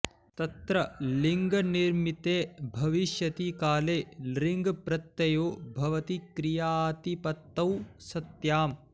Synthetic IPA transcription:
t̪ɐt̪ɾɐliŋɡɐniɾmit̪eːbʱɐʋiʃjɐt̪ikaːleːlɾiŋɡpɾɐt̪ːɐjoːbʱɐʋɐt̪ikɾijaːt̪ipɐt̪ːɐwsɐt̪jaːm

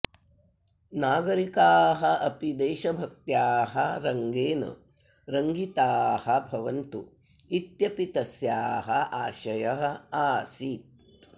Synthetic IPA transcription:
naːɡɐɾikaːɦɐʔɐpid̪eːʃɐbʱɐk̚t̪jaːɦɐɾɐŋɡeːnɐ̰ | ɾɐŋɡit̪aːhɐbʱɐʋɐnt̪ṵ | it̪jɐpit̪ɐsjaːɦɐaːʃɐjɐɦɐ̆aːsit̪̚

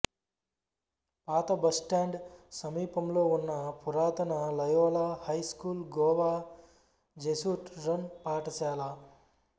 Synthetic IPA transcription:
paːt̪ɐbɐsʈaːɳɖsɐmiːpɐmlounːapʰuɾaːt̪ɐnalɐjoːlahɐjskuːlɡoʋa | d͡ʒesuʈɾɐnpaːʈɐsjaːlaː

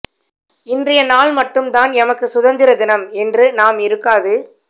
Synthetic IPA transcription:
ɪndrɐjɐnaːɭmɐʈːɯmd̪aːnɛmɐkːɯsʊðɐnd̪ɪɾɐd̪ɪnɐmɛndrɯnaːmɪɾɯkːaːðɯ

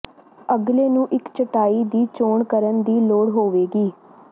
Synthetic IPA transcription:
əɡleːnũːʔɪkt͡ʃəʈaːiːd̪iːt͡ʃoːɳkəɾənd̪iːloːɽɦoːʋeːɡiː

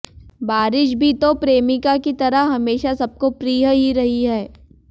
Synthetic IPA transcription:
baːɾɪʃbʱit̪opɾeːmɪkakit̪ɐɾəɦɦɐmeːʃasɐb̚kopɾiːɦəɦiɾɐɦiɦɛː

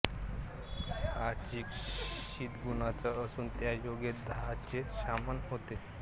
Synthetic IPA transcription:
aɾt͡ɕiːkɕit̪ɡunat͡saəsuːnt̪jajoɡed̪ʱaɦat͡ɕeɕamənɦot̪e

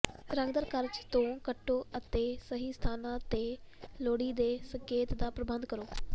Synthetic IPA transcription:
ɾəŋɡd̪əɾkəɾt͡ʃt̪õːkəʈːoːət̪eːsəɦiːsə̥t̪ʰaːnãːt̪eːloːɽiːd̪eːsəŋkeːt̪d̪aːpɾəbənd̪̚kəɾoː

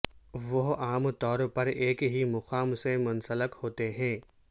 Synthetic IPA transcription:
ʋoɦaːmt̪ɔːɾpɐɾeːkɦimʊxaːmsẽmʊ̃nsələkhoːt̪eɦɛ̃ː

